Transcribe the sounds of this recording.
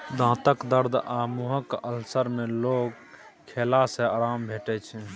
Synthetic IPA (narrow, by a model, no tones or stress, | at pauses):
d̪ʱãːt̪əkd̪əɾd̪ʱamuɦəkəlsəɾmelok | kʰːelasẽaːɾambʱeʈɛt͡ʃʰɛ